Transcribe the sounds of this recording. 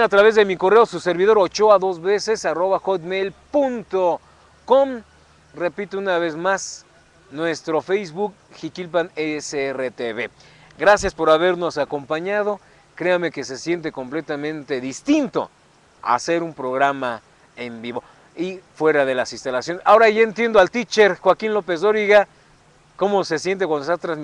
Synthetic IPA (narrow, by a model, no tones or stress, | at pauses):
at̪ɾaβe̞zðe̞miko̞re̞osuse̞ɾβiðo̞ɾot͡ʃo̞aðozβe̞se̞saro̞βaxot̪mejlpunt̪o | ko̞m | re̞pit̪ounaβe̞zmas | nwe̞st̪ɾo̞fejzβuk̚ | xikilpaneseeret̪eβe | ɡɾasjaspo̞ɾaβe̞ɾno̞sako̞mpaɲað̞o̞ | kɾe̞ame̞ke̞s̬e̞sje̞nt̪̬e̞ko̞mple̞t̪amẽ̞nt̪e̞ðist̪int̪o̞̰ | a̰se̞ɾumpɾo̞ɣɾama | e̞mbiβo̞ | ifwe̞ɾaðe̞lasinst̪alasjo̞nesao̞ɾaʝae̞nt̪je̞nd̪oalt̪it͡ʃe̞ɾxwakinlo̞pe̞zdoɾiɣa | ko̞mo̞se̞sjent̪ekwand̪ost̪at̪ɾazm